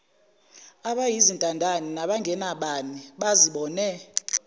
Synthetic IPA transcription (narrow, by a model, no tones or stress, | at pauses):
aɓajizintʼandʱaninaɓaŋɡʱɛnaɓaniɓaziɓɔːnɛ